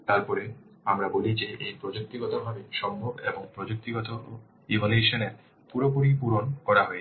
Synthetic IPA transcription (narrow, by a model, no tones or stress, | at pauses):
t̪aɾpɔɾe | amɾabolid͡ʑeʔejpɾod͡ʑok̚t̪iɡɔt̪obʱabeʃɔmbʱobeboŋpɾod͡ʑok̚t̪iɡɔt̪o | ibʱoneʃoneɾ | puɾopuɾipuɾonkɔɾaɦoe